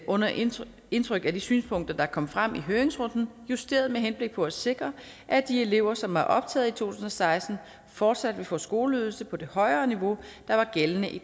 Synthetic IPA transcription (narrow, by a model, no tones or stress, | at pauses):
ʔɔ̽n̰ɐ | e̝nt͡sʰʁœɡ̥æd̥isyːnspʰɔ̽ŋ̰d̥ɐd̥ɑ̈kʰɒ̽m̰fʁam̰iɦøːʁeŋsʁɔ̽nd̥n̩jusd̥e̝̰ːɐð̞̩ˠmeɦenb̥le̝ɡ̥̚pʰɒ̽æ̥se̝ɡ̥ʁɐ | ʔæd̥ie̝le̝ʊ̰ɐsɒ̽mʋɑ̈ʔɒ̽b̥̚t͡sʰɛ̰ːð̞̩ˠit͡sʰo̝̰ːt͡sʰuːsn̩ɒ̽sɑ̈ɪsd̥n̩ | fɒːd̥sæd̥ʋifɒ̰ːsɡ̥o̝ːləyðˠl̩səpʰɒ̽d̥e̝hɒ̽ɪɐːniʋo̝d̥ɑ̈ʋɑ̈ɡ̥elənəʔi